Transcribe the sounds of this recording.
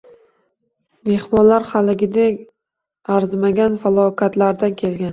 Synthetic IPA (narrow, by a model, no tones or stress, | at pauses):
me̞hmɒnlaɾχalɪɡʲɪd̪e | aɾzmaɡʲanfalˠɒkʲʰat̪laɾd̪ankʲʰelɡʲan